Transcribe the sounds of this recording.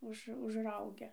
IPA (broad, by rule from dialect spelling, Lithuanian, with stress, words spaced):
ˈʊʃ ʊʒˈrɐʊɡʲɛ